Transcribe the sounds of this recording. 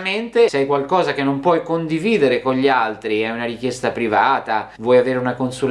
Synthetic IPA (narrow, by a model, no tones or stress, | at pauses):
ment̪esɛjkwalkɔːzak̟enːompwɔjkond̪iviːd̪eɾekonʎialt̪ɾiɛunaɾikjɛst̪apɾivaːt̪avwɔjaveːɾeunakonsul